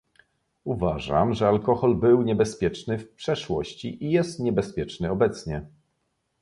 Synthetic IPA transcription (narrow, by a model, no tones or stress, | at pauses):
uvaʐa̰mʐɛalkɔxɔlbɘwɲɛbɛspʲjɛt͡ʂnɘfpʂɛʂwɔɕt͡ɕḭʔijɛst̪ɲɛbɛspʲjɛt͡ʂnɘɔbɛt̪sɲɛ